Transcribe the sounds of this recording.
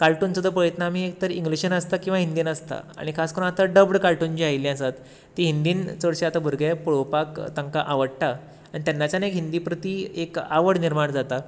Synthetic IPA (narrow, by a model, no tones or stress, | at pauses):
kalʈunt͡səd̪əpəjət̪naamiek̚t̪əɾiŋɡliɕənəst̪akĩw̃ʋaɦind̪inəst̪a̰a̰ɽ̃ikʰaskəɾũːnat̪aɖəbɽkaɭʈunt͡ɕiajlĩasat̪ː | iɦind̪iːnt͡səɽɕeat̪abʱuɾɡapuɽopakt̪aŋkaʔaʋəɽʈa | aɽit̪janːat͡ɕanekɦind̪iːpɾət̪iekaʋəɽniɾmaɳd͡zat̪a